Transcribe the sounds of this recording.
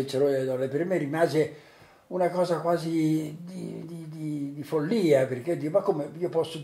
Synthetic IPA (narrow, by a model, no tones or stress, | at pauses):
et͡ʃeɾoed̪ɔlepermeɾimaːze | unakɔːzakwaːzid̪id̪id̪id̪ifolːiːaperked̪imakːomeiːopɔsːo